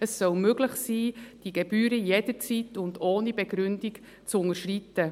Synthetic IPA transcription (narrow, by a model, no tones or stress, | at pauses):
əsːœlmøɡləχsiːd̥iɡ̥ɛbyːɾəjed̥əɾt͡sitʊndoːnibɛɡɾʉndik | t͡sʊŋəʃrit̪ə